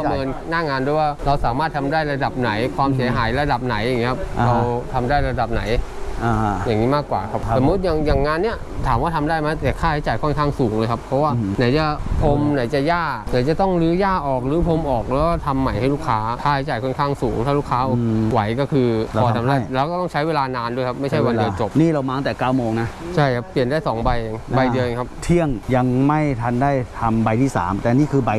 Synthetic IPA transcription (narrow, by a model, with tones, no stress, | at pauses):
kʰm˧ɤː˧nnaː˥˩ŋaː˧ndu˥˩˨jwaː˥˩ɾa˧wsaː˩˦maː˥˩t̪̚ʰa˧mdaː˥˩jɾa˧da˨˩p̚na˩˦jkʰwaː˧msi˩˦ɐ˦ɦaː˩˦jɾa˧da˨˩p̚na˩˦ja˨˩ŋi˦˥kʰa˦˥p̚ɾa˧wt̪ʰa˧mdaː˥˩jɾa˧da˨˩p̚na˩˦j | jaː˨˩ŋiː˦˥maː˥˩kːwa̰ː˨˩kʰa˦˥p̚o˨˩˦mːu˦˥t̪̚ja˨˩ŋjaː˨˩ŋːaː˧nːi˥ɐ | t̪ʰaː˨˩˦mwaː˥˩t̪ʰa˧mdaː˥˩jma˦˥t̪ɛ˨˩kʰaː˥˩ha˦jt͡ɕaː˨˩jkʰɔ˥˩nkʰaː˥˩ŋsuː˩˦ŋlɤː˧jkʰa˦˥pʰːɔ˦˥waː˥˩na˨˩˦jt͡ɕa˨˩pʰo˧mna˨˩˦jt͡ɕa˨˩jaː˥˩na˨˩˦jt͡ɕa˨˩t̪ɔ˥˩ŋɾɯː˨˦˥jaː˥˩ʔɔː˨˩k̚ɾɯː˩˦pʰo˧mʔɔː˨˩k̚lɛː˦˥ɔ˥˩t̪ʰa˧mːa˨˩jha˥˩jluː˥˩kʰaː˦˥k̪ʰaː˥˩ha˦˥jt͡ɕaː˨˩jkʰɔ˥˩nkʰaː˥˩ŋsuː˩˦ŋt̪ʰaː˥˩luː˥˩kʰaː˦˥ʔɔː˨˩wa˩˦jkɔː˥˩kʰɯː˧ɔː˨˩t̪ʰa˧mdaː˥˩lɛː˦˥wkɔː˥˩t̪ɔ˥˩ŋt͡ɕʰa˦˥jweː˧laː˧naː˧ndu˥˩jkʰa˦˥p̚ma˥˩jt͡ɕʰa˥˩wa˧di˧t͡ɕo˨˩p̚niː˥˩ɾa˧wmaː˧˨˦t̪ɛː˨˩kaː˥˩wmoː˧ŋna˦˥t͡ɕʰa˥˩jkʰa˦˥ppːi˨˩əndaː˥˩jsɔː˩˦ŋba˧jʔe˧ŋba˧jdi˧əwje˧ŋkʰa˦˥pt̪ʰi˥˩əŋja˧ŋma˥˩jt̪ʰa˧ndaː˥˩jt̪ʰa˧mba˧jt̪ʰiː˥˩sa̰ː˩˦mt̪ɛː˨˩niː˥˩kʰɯː˧ba˧j